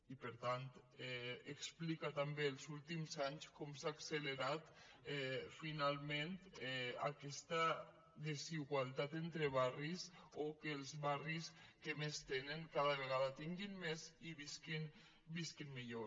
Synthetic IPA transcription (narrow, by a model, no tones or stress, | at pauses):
ipəɾt̪ant̪ | ɛeksplikat̪ambeːlˠzulˠt̪imzaɲskɔmsaːksələɾat̪ɛfinalˠment̪ɛakɛst̪a | ðeziɣwalˠt̪at̪ent̪ɾeβarisokeːlˠzβariskemest̪enəŋkaðəβeɣaðat̪iŋɡinmeziβiskin | biskinmiʎo